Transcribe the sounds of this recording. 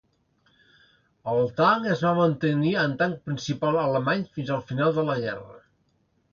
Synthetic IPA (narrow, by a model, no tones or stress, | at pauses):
əlˠt̪aŋəzβamənt̪əniənt̪aŋ̚pɾinsipalˠələmaɲfinzəlˠfinalˠd̪ələɣɛ̰rə̰